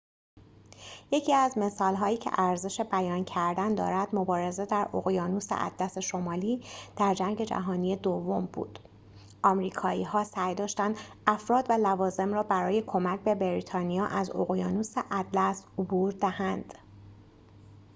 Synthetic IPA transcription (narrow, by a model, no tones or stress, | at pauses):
je̞cʰiːæzme̞sɒːlɦɒːjiːcʰe̞̰ʔæɾze̞ʃe̞bæjɒːncʰæɾd̪ænd̪ɒ̰ːɾæd̪mo̞bɒːɾe̞zed̪æɾo̰ɣjɒːnusḛʔæ̰d̪̥læse̞ʃo̞mɒːliːd̪̥æɾd͡ʒæŋɟe̞d͡ʒæ̰ɦɒːnijed̪ovːo̞mbṵːd̪̥ | ʔɒːmɾiːkʰɒːiːɦɒːsæjd̪ɒːʃt̪ænd̪ʔæfɾɒːd̪vælævɒːze̞mɾɒːbæɾɒːje̞kʰo̞mæc̚ʰbe̞beɾit̪ʰɒːnijɒːʔæzo̰ɣjɒːnuːseʔæd̪læsobuːɾd̪æhænd̪̥